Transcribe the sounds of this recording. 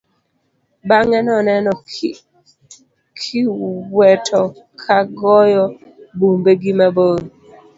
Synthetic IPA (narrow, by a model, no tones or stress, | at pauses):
baŋɛnɔnɛnɔ | kʰiwɛtʰɔ | kʰaɡɔjɔ | bumbeɡimabon